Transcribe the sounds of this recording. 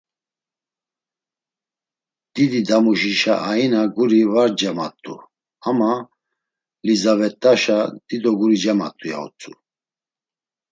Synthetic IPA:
d̪̥id̪id̪amuʃiʃaʔainaɡuɾivaɾd͡ʒamat̪ʼːṵ | hama | lizavɛt̪ʼːaʃad̪̥id̪ɔɡuɾid͡ʒama̰t̪ʼuja̰ṵt͡sʼṵ

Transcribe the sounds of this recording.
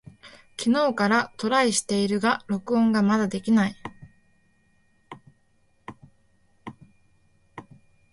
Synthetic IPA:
kʲino̞ːkaɾat̪o̞ɾaiɕi̥t̪e̞iɾɯ̟ɡaɾo̞kɯ̟õ̞ŋɡamad̪ad̪e̞kʲinai

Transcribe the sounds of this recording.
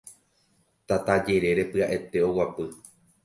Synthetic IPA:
t̪at̪ad͡ʒe̞ɾe̞ɾe̞pɨaʔe̞t̪e̞o̞wapɨ

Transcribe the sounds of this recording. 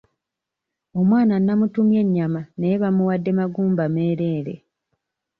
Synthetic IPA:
o̞mwaːnanːamutumje̞ɲːamanejeβamuwadːe̞maɡuːmbame̞ːɾe̞ːɾe̞̰

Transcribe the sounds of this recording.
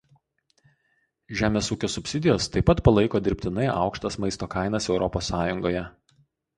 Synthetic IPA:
ʒʲæːmʲeːsuːkʲoːsʊpʲsʲɪd̪ʲɪjoːst̪ɐɪpːɐt̪pɐlˠɐɪkoːd̪ʲɪɾʲpʲt̪ʲɪnɐɪʔɑ̰ˑʊkʃt̪ɐsmɐɪst̪oːkɑɪnɐsɛʊɾɔposːɑːjʊŋɡoːjɛ

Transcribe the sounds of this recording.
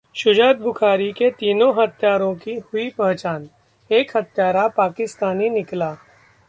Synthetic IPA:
ʃʊd͡ʒaːt̪̚bʊkʰaːɾiket̪iːnõɦɐt̪jaːɾõkihʊipɐ̃ɦt͡ʃaːn | eːkhɐt̪jaːɾapaːkɪst̪aːninɪklaː

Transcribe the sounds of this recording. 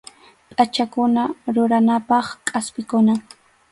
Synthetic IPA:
pʼat͡ʃakʊnaɾʊɾanapɑχkʼaspɪkʊna

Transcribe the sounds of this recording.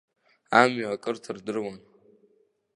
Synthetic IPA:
amɥakʼɨrtʰɨrdɨrwan

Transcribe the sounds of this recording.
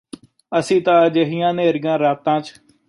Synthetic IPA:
əsĩːt̪ãːd͡ʒeɦɪjãːneːɾɪjãːɾaːt̪ãːt͡ʃ

